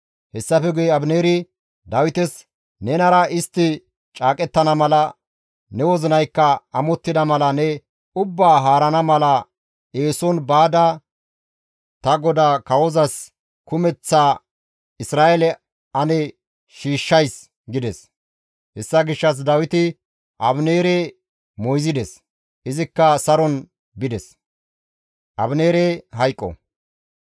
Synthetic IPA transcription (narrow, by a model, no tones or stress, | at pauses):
hɛsːɐfɛɡʊjɛɐbneːɾɪ | d̪ɐwɪt̪ɛs | nɛnɐɾɐɪst̪ːɪ | t͡ʃʼaːkʼɛt̪ːɐnɐmɐlɐ | nɛwɔzɪnɐjkːɐɐmɔt̪ːɪd̪ɐmɐlɐnɛ | ʊbːaːɦaːɾɐnɐmɐlɐ | eːsɔnbaːd̪ɐ | t̪ɐɡɔd̪aːkɐwɔzɐs | kʊmɛt͡sːaː | ɪsɾaːʔelɛ | ɐnɛ | ʃiːʃːɐjs | ɡɪd̪ɛs | hɛsːɐɡɪʃːɐs̬d̪ɐwɪt̪ɪ | ʔɐbneːɾe | mɔjzɪd̪ɛs | ʔɪzɪkːɐsɐɾɔn | bɪd̪ɛs | ʔɐ̰bneːɾeɦɐjkʼːɔ̰